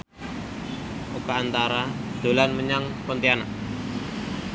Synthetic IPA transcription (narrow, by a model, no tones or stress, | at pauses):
ʔukaːnt̪aɾad̪̥o̤lanməɲaŋpɔnt̪ianaʔ